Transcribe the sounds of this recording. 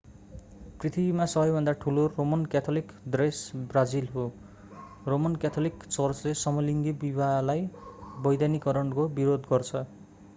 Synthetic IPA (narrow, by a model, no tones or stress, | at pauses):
prit̪ʰibimasʌbʌjbʱʌnd̪aʈʰuloromʌnkat̪ʰolikd̪resbrad͡zilɦo | romʌnkat̪ʰolikt͡sʌrt͡slesʌmʌliŋɡ̪ibibʱalajbʌjd̪janikʌɾʌɳkobiɾod̪ɡʌrt͡sʰʌ